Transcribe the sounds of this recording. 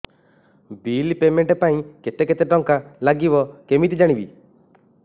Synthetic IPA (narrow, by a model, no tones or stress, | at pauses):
bilpemeɳʈepaĩket̪eket̪eʈɔŋkalaɡibɔkemit̪id͡ʒaɽ̃ibḭ